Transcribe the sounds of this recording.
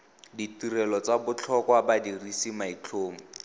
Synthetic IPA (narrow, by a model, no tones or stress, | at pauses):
ditirɛlɔt͡sabʊt͡ɬʰɔkwabadirisimait͡ɬʰoːmʊ